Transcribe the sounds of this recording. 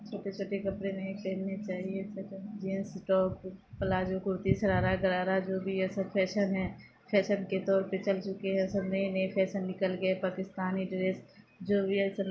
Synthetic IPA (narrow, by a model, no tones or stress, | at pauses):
t͡ʃʰoːʈet͡ʃʰoːʈekɐpɾenəĩpɛɦnːet͡ʃaːɦiesɐɾd͡ʒiensiʈɔːkpəlaːd͡ʒokʊɾt̪isɐɾaːɾaɡəɾaːɾad͡ʒoːbʱiɛsəbpʰɛːʃənɦɛ̃ː | pʰɛːʃənket̪ɔːɾpet͡ʃɐlt͡ʃʊkeɦɛ̃səbnəĩnəĩpʰɛːʃənːɪkəlɡəepaːkɪst̪aːniɖɪɾeːs | d͡ʒoːbʱiɛsə